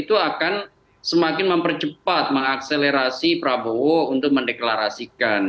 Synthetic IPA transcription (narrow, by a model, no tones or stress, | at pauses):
it̪uakan | səmakɪnməmpərt͡ʃəpat̪̚məŋak̚seleɾasipɾabowount̪ʊk̚məndeklaɾasikan